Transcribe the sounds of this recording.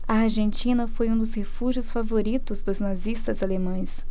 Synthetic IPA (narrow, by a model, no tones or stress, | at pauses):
ɐaɾʒẽnt͡ʃĩnɐfojũd̪ʊshefuʒjʊsfavoɾit̪ʊzd̪ʊznazist̪ɐzalemɐ̃j̃s